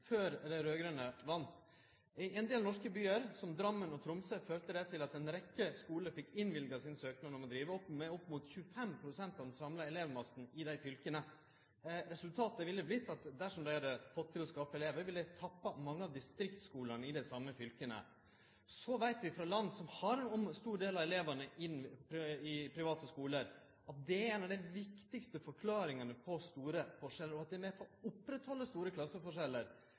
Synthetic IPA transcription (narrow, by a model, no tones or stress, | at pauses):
føːɾd̪ɛɾøːɡɾœnəʋɑnt̪ | ɛnd̪eːlnɔʂkəbyːəɾsɔmd̪ɾɑmːənɔt̪ʰɾʊmsəføːɾt̪əd̪ɛt̪ʰɪlɑt̪̚ɛnɾɛkːəskuːləfɪkːɪnʋɪlɡɑsɪnsøːknənɔmɔd̪ɾiːʋəɔpmɛɔpːmuːt̪çʉːəfɛmpʰɾʊsɛnt̪ɑʋd̪nsɑmlɑɛleːʋmɑsn̩ɪd̪æɪfʏlkənə | ɾɛsʉlt̪ʰɑːt̪əʋɪlːəblɪt̪ːɑt̪d̪æʂɔmd̪æɪhɑd̪əfɔt̪ʰːɪlɔskɑːpəɛleːʋəɾʋɪld̪æɪt̪ʰɑpːɑmɑŋːəɑʋd̪ɪst̪ɾɪkt̪skuːləɳəɪd̪æsɑmːəfʏlkənə̰ | sɔʋæɪt̪ʋɪfɾɑlɑnd̪sɔmhɑɾɛnɔmst̪uːɖeːlɑɛleːʋənəʔɪnːpɾɪpʰɾɪʋɑːt̪əskuːləɾ | ɑt̪̚d̪ɛɾeɪnɑʋd̪æɪʋɪkt̪ɪkst̪əfɔɾkʰlɑːɾɪŋɑnəpʰɔst̪uːɾəfɔʂɛlːəɾɔɑt̪̚d̪ɛɛɾmeːɾpʰɔʊpːɾɛt̪hɔlːəst̪uːɾəkʰlɑsːəfɔʂɛlːəɾ